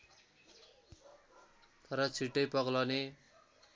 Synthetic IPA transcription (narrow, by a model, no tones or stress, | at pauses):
t̪ʌɾʌt͡sʰiʈːʌjpʌɡlane